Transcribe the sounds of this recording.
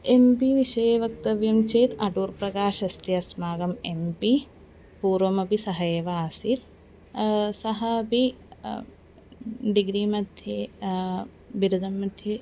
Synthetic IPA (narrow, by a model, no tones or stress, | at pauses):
empiʋiʃɐjeʋɐk̚t̪ɐʋjɐmt͡ʃeːt̪ɐʈuːɾpɾɐkaːʃɐst̪jɐɐsmaːɡɐmempi | puːɾʋɐmɐpisɐɦɐjeːʋaːsit̪ | sɐɦɐːpi | ɖiɡɾiːmɐd̪ʱjeː | ʋiɾud̪ʱɐmːɐd̪ʱje